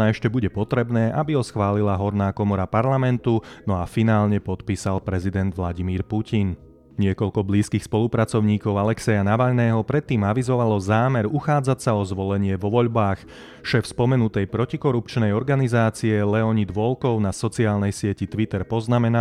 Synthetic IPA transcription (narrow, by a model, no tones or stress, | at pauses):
aɛʃcɛbuɟɛpɔt̪ɾɛbnɛːʔabiɦɔsxʋaːlilaɦɔɾnaːkɔmɔɾapaɾlamɛnt̪unɔafinaːlɲɛpɔt̪piːsalpɾɛzid̪ɛnd̪ʋlaɟimiːɾpucʰin | ɲɪɛkɔʎkɔbliːskiːxspɔlupɾat͡sɔʊɲiːkɔʊalɛksɛjanaʋaʎnɛːɦɔpɾɛt̪ːiːmaʋizɔʋalɔzaːmɛɾuxaːd͡zacsaɔzʋɔlɛɲɪɛʋɔʋɔʎbaːx | ʃɛːfspɔmɛnut̪ɛjpɾɔcikɔɾup̚t͡ʃnɛjɔɾɡanizaːt͡siɛlɛɔɲid̪ʋɔlkɔʊnasɔt͡siaːlnɛjsɪɛcit̪ʋit̪ɛɾpɔznamɛna